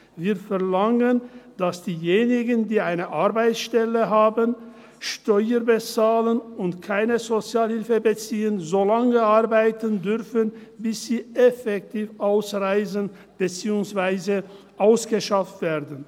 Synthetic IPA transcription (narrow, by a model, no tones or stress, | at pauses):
viːɐfɛɐlaŋənd̥asd̥iːjeːnɪɡəndiːaɪnəʔaʁbaɪt͡sʃtɛləɦaːbən | ʃtɔʏəbət͡saːlənʊntkʰaɪnəzot͡sjaːlhɪlfəbət͡siːənzoːlaŋəʔaʁbaɪtəndʏʁfən | bɪsz̥iːʔɛfɛk̚tʰiːfʔaʊsʁaɪzən | b̥ət͡siːʊŋsv̥aɪzə | ʔaʊsɡ̥əʃaftv̥ɛːɐdən̩